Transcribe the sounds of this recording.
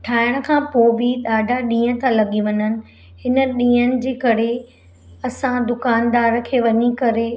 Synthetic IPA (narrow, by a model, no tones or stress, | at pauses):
ʈʰaːɪɽ̃ə̆kʰãːpoːbʱiɗaːɖʱaɗĩːə̃t̪ʰãlɐɠiʋɐɲənɪ̆ | ɦɪnə̆ɗĩːənɪ̆d͡ʑeːkɐɾe | ɐsãd̪ʊkaːnd̪aːɾkʰeːʋɐɲikɐɾe